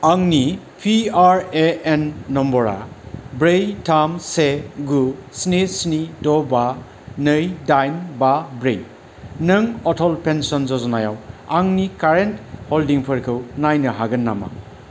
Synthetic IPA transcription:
aŋni | pʰiaɾeenːɔmbɔɾa̰bɾejtʰamseɡusnesnidɔba | nɯjdajnbabɾej | nɐŋɔtʰɔlpensɔnzɔzɔnajawaŋnikaɾentholdiŋpʰɯɾkʰɯwnajnɐɦaɡɐnːa̰ma̰

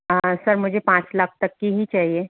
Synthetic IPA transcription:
əsɐɾmʊd͡ʒʱepãːt͡ʃlɐk̚ʰt̪ɐkːiɦit͡ʃaːɦie

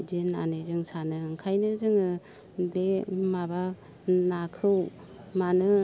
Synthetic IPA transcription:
dina̰nezɯŋsanɯŋkʰajnɯzɯŋɯ | lemaba | nakʰɯw | manɯ

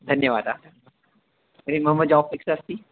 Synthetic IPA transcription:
d̪ʱɐnjəʋaːd̪a | ɐɾimɐɦəmːəd̪d͡ʒaːʋfɪksast̪i

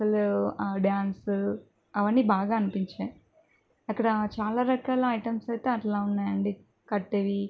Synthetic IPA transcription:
ɐlɖjaːns | ɐʋɐɳːibaːɡaːɐnipiɲt͡ʃeː | ɐkːɐɽɐt͡ʃaːlaːɾɐkaːlɐɐjʈɐmsɐjt̪eːɐʈlaːunːaːjɐɳɖi | kɐʈːeʋi

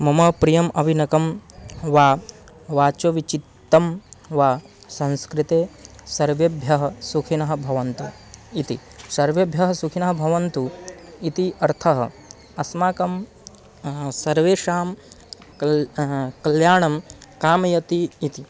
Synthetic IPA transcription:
mɐmɐpɾijɐmʔɐʋinɐkɐmʋaː | ʋaːt͡ʃɐʋit͡ʃit̪ːɐmʋaː | sɐ̃nskɾit̪eːsɐɾʋebʱjɐɦɐ̆sukʰinɐɦɐ̆bʱɐʋɐnt̪u | it̪ḭ | sɐɾʋebʱjɐɦɐsukʰinɐɦɐ̆bʱɐʋɐnt̪uit̪iʔɐɾt̪ʰɐɦɐ̰ | ɐsmaːkɐm | sɐɾʋeːʃaːm | kɐljaːɳɐmkaːmɐjɐt̪iːt̪i

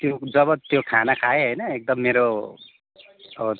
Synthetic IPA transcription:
t̪jod͡zʌbʌt̪jokʰanakʰaeɦʌjnʌek̚d̪ʌmːeɾo | ʌbʌ

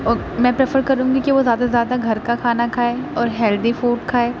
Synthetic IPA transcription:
ɔːɾ | mɛ̃ːpɾefəɾkɐɾũːɡikiʋozjaːd̪azjaːd̪aɡʱɐɾkakʰaːnakʰaːeːɔːɾɦɛːld̪ifoːʈkʰaːeː

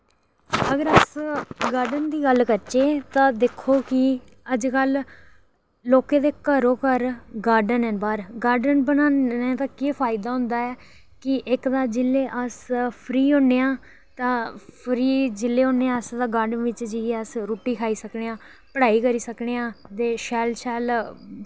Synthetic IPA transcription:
əɡəɾəsɡaːɾɖənd̪iːɡəlkəɾt͡ʃeːt̪ãːd̪eːkʰːoːkɪ | əd͡ʒkəl | loːkẽːd̪eːkəɾõːkəɾɡaːɾɖənɛ̃ːnbaːɾɡaːɾɖənbənaːeːt̪aːkepʰaːɪd̪aːɦʊ̃nd̪aːɛː | kɪʔɪkd̪aːd͡ʒɪlːeːʔəspʰɾiːõːneːãː | t̪ãːpʰɾiːd͡ʒɪlːeːõːneãːəsd̪aːɡaːɾɖənʋɪt͡ʃd͡ʒiəsɾuːʈiːkʰaːiːsəkɽeːãː | pəɽaːiːkəɾiːsəkɽeːãːt̪eːʃɛːlʃɛːl

